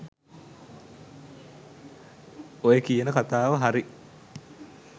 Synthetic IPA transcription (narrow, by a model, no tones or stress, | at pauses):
ojekijənəkat̪aːʋəɦaɾi